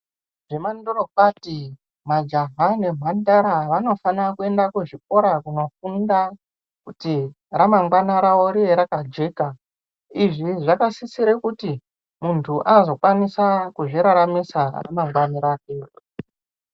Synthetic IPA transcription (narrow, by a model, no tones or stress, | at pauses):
ʐemandorokwati | mad͡ʒaɦane̞mwandaɾaʋano̞fanrakue̞ndakuʐik̚o̞ɾakuno̞funda | kuti | ramaŋɡwanaɾaoɾieɾakad͡ʒe̞ːka | iʐiʐakasisiɾekuti | muntʰuʔanozo̞kwanisakuʐiɾaɾamisara̰maŋɡwaniɾaːke